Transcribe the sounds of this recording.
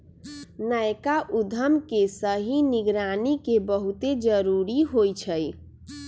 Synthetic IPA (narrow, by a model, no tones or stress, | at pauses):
najkaʔud̪ʱəmkesəɦiniɡɾanikebəɦut̪ed͡ʒəɾuɾiɦojt͡ʃʰəj